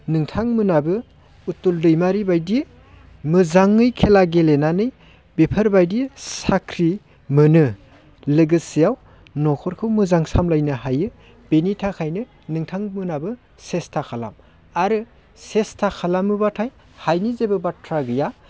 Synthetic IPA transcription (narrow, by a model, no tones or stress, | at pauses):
nɯŋtʰaŋmɯnabɯ | utuldɯjmaɾibajdi | mɯzaŋːɯjkʰelaɡelenanɯj | bepʰɐɾbajdisakʰɾi | mɯnɯ | lɯɡɯsijaw | nɔkʰɔɾkʰɯwmɯzaŋsamlajnɯɦajɯ | b̥enitʰakʰajnɯ | nɯŋtʰaŋmɯnabɯ | sestʰakʰala̰m | aɾɯ | sestʰakʰalamɯbatʰaj | hajnizebɯbatʰɾaɡɯja